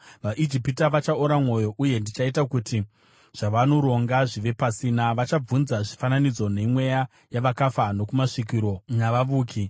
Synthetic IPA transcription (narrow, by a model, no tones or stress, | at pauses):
ʋaʔid͡ʒipitaʋat͡ʃaoɾamwo̞jo̞ʔuje̞ndit͡ʃaitakuti | ʐ̥aʋanoɾo̞ŋɡaʐiʋe̞pasiːnaʋat͡ʃab͡vunzaʐifananid͡zo̞ne̞mwe̞ja | jaʋakafano̞kumaʂik̬iɾo̞naʋaʋuːkʰi